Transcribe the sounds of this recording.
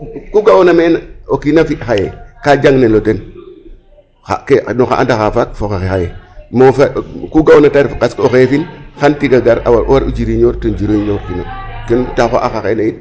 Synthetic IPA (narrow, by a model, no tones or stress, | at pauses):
kuɡaonamenaokinafixajekad͡ʒaŋneloten | xa̰kenoxa̰ʔa̰ndaxafak̚foxexexajemofakuɡawonataɾfkaskoxefinxantiɡaɡaɾa̰waɾʔowaɾud͡ʒiɾiɲoɾtond͡ʒiɾoiɲoɾkina̰kentaxoʔaxaxenajit